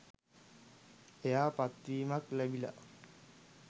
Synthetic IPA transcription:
ejaːpat̪ːiːmaklæbila̰

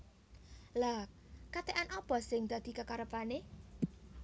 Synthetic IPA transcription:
la | kat̪eʔanʔɔpɔsɪŋd̪̥a̤d̪̥i̤kəkaɾəpane

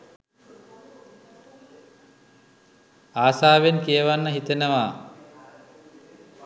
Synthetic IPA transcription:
aːsaːʋenkijəʋanːəɦit̪enəʋaː

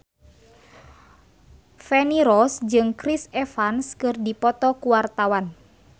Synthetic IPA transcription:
fɛniɾɔsd͡ʒɨŋkɾisɛfanskɨrdipɔt̪ɔkuwart̪awan

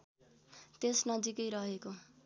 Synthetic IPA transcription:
t̪esnʌd͡zikʌjɾʌɦeko

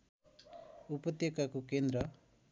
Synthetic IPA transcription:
upɔt̪jekakukend̪ɾʌ

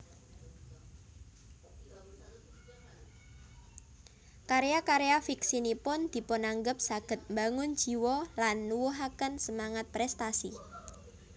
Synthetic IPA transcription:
kaɾeakaɾeafiksinipʊnd̪̥i̤pʊnaŋɡəp̚saɡ̥ə̤t̪̚mbaŋʊn̥d͡ʒ̥i̤wɔlanːuwuɦakənsəmaŋat̪̚pɾɛst̪asi

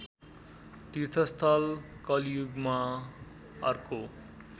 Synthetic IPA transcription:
t̪irt̪ʰʌst̪ʰʌlkʌljuɡma | ʌrko

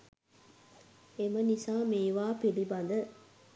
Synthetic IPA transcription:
emənisaːmeːʋaːpilibɐnd̪ə

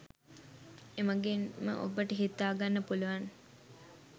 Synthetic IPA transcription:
eməɡenmə̰ʔobəʈəɦit̪ːaːɡanːəpuluʋan

